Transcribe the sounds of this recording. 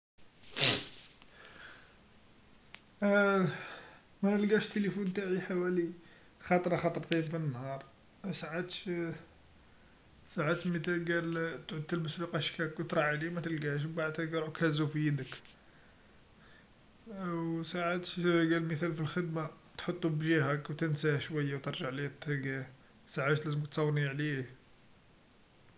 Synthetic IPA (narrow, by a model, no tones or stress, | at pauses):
mænəlɡæʃt̪ːələfunt̪aʕiħawæli | xɑt̪ˤɾˤɑxɑt̪ˤɾˤt̪imfinːhɑɾˤ | saʕat̪ʃ | saʕat̪mət̪æɡælt̪ʕʊd̪əlməsfiqæʃkækwt̪ɾˤɑlimæt̪əlɡæʃ̬baʕd̪t̪əlɡæɾʕukhæzufijəd̪ək | wsaʕat̪ʃɡælməθælfilxəd̪ma | t̪ħot̪ˤːubʒihækwt̪ənsæhʃwæjːawt̪əɾˤʒaʕlit̪ˤːəɡæ | saʕaʃt̪læzəməkt̪sˤɑwːniʕlih